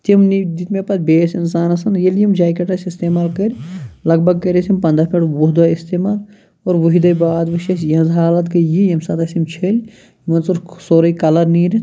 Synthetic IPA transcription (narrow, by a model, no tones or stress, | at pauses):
t̪imnid̪it̪mepɐt̪̚beːsinsaːnɐsɐnjeljimd͡ʒaːjkɐʈɐsist̪eːmaːlkɐɾʲlɐɡ̚bʱɐɡ̚kɐɾʲɐsimpɐnd̪ɾɐpʰʲeʈʋuɦd̪ɐist̪eːmaːl | oːɾʋuɦid̪ɐjbaːd̪ʋɐʃɐsjɐnzɦaːlɐt̪kɐjijɐmsɐt̪ɐsimt͡ʃʰelʲ | imɐnsuɾsoːɾɐjkɐlɐɾniːɾi